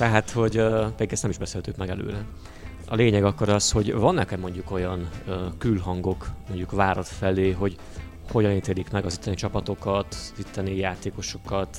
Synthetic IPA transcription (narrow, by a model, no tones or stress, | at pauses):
t̪ɛɦat̪ho̞ɟpɛd̪iɡɛst̪nɛmiʒbɛselht̪ykmɛɡɛlø̰ːɾɛ | ɒleːɲɛɡɒkːo̞ɾɒsho̞ɟvɒnːɛkɛmːo̞ɲɟuko̞jɒnːkylɦɒŋɡo̞kmo̞ɲɟukvaːɾɒt̪fɛleːɦo̞ɟ | ho̞ɟɒniːt̪eːlikmɛɡɒzit̪ːɛnit͡ʃɒpɒt̪o̞kɒt̪zit̪ːɛnijaːt̪eːko̞ʃo̞̥kɒt̪